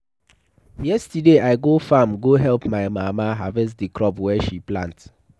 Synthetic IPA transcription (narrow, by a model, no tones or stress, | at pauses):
jɛstideʔaɪɡofamɡoɦɛlpmaɪmamaɦavɛs̬dikɹɔpwɛʃiplã̰nt